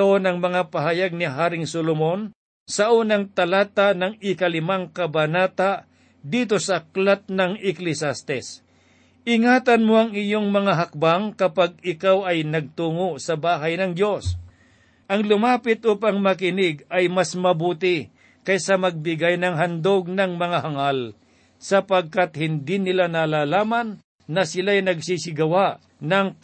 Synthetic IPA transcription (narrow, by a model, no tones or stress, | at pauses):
onɐŋmɐŋapɐɦajaɡ̚nɪɦaːɾɪŋsolomo̞n | sɐʔuːnɐŋt̪ɐlaːt̪anɐŋɪkɐlɪmaŋkɐbɐnaːt̪a | d̪iːt̪o̞sɐklat̪̚nɐŋɪklɪsast̪ɛs | ʔɪŋaːt̪ɐnmoʔɐŋɪjoŋmɐŋaɦɐk̚baŋkɐpaɡ̚ɪkawɐjnɐɡ̚t̪uːŋoʔsɐbaːɦɐjnɐŋdjo̞s | ʔɐŋlʊmaːpɪt̪ʔupaŋmɐkɪnɪɡɐjmasmɐbuːt̪ɪ | kɐjsɐmɐɡ̚bɪɡajnɐŋɦɐnd̪oɡ̚nɐŋmɐŋahɐŋal | sɐpɐɡ̚kat̪̚hɪnd̪inɪlanalaːlaːmɐnː | ɐsɪlajnɐɡsiːsɪɡɐwaʔ | nɐŋ